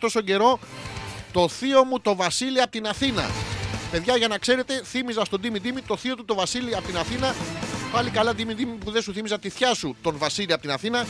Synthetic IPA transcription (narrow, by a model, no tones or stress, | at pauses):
t̪o̞so̞ɟe̞ɾo̞ | t̪o̞θio̞mut̪o̞vɐsiliɐpot̪inɐθinɐ̰pe̞ðʝɐʝɐnɐkse̞ɾe̞t̪e̞θimizɐst̪o̞d̪imid̪imit̪o̞θio̞t̪ut̪o̞vɐsiliɐpot̪inɐθinɐpɐlikɐlɐd̪imid̪imipuðesuθimisɐt̪iθçɐsut̪o̞nvɐsiliɐpot̪inɐθinɐ